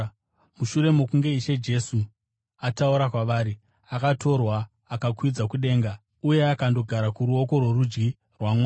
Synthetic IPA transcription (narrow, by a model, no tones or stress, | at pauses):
muʃure̞mokuŋɡe̞iʃe̞d͡ʒe̞su | atauɾakwaʋaːɾi | akato̞rwaː | kakʰwid͡zakuɗe̞ːŋɡa | uje̞akando̞ɡʱaɾakuɾuo̞ko̞rwerud͡ʒɡi | rwamwa